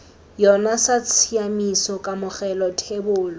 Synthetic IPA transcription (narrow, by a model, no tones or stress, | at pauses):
jɔnasat͡sʰiamisɔkʼamʊχɛlɔtʰebʊːlɔ